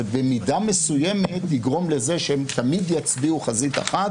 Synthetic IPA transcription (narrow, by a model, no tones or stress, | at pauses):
bemidame̞sujeme̞t̪liɡʁo̞mle̞ze̞ʃeemt̪amid̪jat͡sbiuχazit̪a̰χat